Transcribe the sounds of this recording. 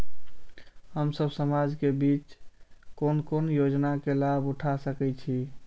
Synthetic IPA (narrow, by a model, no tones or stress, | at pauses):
ɦəmsəbsəmad͡ʒkebit͡ʃkonkonjod͡ʒnakelabuʈʰasəkɛt͡ʃʰi